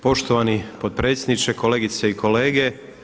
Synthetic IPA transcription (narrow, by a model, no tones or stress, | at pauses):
po̞ʃt̪oʋanipod̪̚pɾe̞ːt̪sjed̪nit͡ʃekoleːɡit̪seiko̞le̞ːɡe